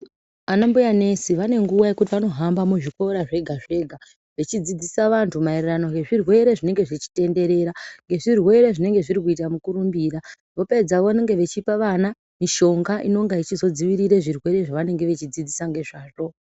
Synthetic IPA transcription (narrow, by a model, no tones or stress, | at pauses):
anambujane̞siʋane̞ŋɡuʋaje̞kut̬iʋano̞ɦambamuʐikoɾaʐe̞ɡʱaʐe̞ɡʱa | ʋet͡ʃid͡zid͡zisaʋantʰumaerirano̞ŋɡe̞ʐirwe̞ɾeʐine̞ŋɡe̞ʐit͡ʃi̥te̞nde̞ɾe̞ːɾaŋɡe̞ʐirwe̞ɾe̞ʐine̞ŋɡe̞ʐiɾik̬uit̬amukuɾumbiːɾa | ʋo̞pe̞d͡zaʋoneŋɡe̞ʋe̞t͡ʃipaʋana | miʃo̞ŋɡaʔino̞ŋɡait͡ʃizo̞d͡ziʋiɾiɾeʐirwe̞ɾe̞ʐaʋane̞ŋɡe̞ʋe̞t͡ʃid͡zid͡zisaŋɡe̞ʐaːʐo̞